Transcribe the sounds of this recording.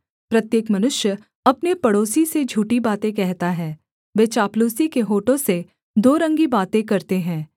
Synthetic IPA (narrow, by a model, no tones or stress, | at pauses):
pɾɐt̪jeːkmɐnʊʃjə | ɐpnepɐɽoːsised͡ʒʱuːʈibaːt̪ẽk̬ɛɦt̪aɦɛː | ʋeːt͡ʃaːpluːsikeɦoːʈõse | d̪oːɾɐ̃ŋɡibaːt̪ẽkɐɾt̪eɦɛ̃ː